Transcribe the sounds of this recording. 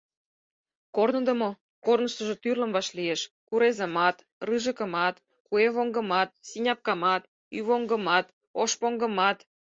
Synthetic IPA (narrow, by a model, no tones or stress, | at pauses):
kornə̆d̪ə̆mo | kornəʃt̪ə̆ʒĕt̪yrlə̆mβɑʃlieʃ | kuɾezə̆mɑt̪ | rɯʒə̆kə̆mɑt̪ | kueβoŋɡə̆mɑt̪̚sinʲɑp̚kɑmɑt̪ | yβoŋɡə̆mɑt̪ | oʃpoŋɡə̆mɑt̪